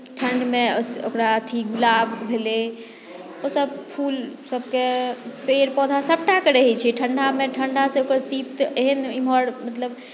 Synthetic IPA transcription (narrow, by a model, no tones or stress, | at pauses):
ʈʰəɳɖmeoso̰kɾaət̪ʰiɡulabbʱele | osəbpʰulsəb̚kepeɾpɔd̪ʱasəp̚ʈakəɾəɦɛt͡ʃʰɛʈʰəɳɖʱameʈʰəɳɖʱasẽokəɾsit̪eɦənimɔɾmət̪ləb